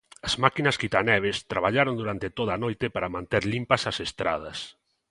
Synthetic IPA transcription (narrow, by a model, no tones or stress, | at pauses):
ɐzmakinɐskit̪anɛβ̞est̪ɾaβaʎaɾond̪uɾant̪et̪oðɐaːnojt̪ɪpaɾamãnt̪eɾlimpɐsasest̪ɾa̰ð̞ɐs